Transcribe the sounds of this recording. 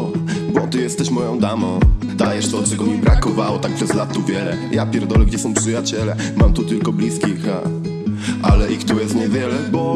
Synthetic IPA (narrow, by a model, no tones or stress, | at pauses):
bɔt̪ɨjɛst̪ːɛɕmɔjɔ̃w̃d̪amɔ̃ | d̪ajɛʂt̪ɔd̪t̪ɛɡɔmʲibɾakɔvawɔt̪ak̚pʂɛzlat̪ːuvʲjɛlɛ | japʲjɛɾd̪ɔlɛɡd͡ʑɛsɔ̃w̃pʂɨjat͡ɕɛlɛ | mamt̪ut̪ɘlkɔblʲiskʲixa | alɛʔikt̪ujɛst̪ɲɛvʲjɛlɛbɔ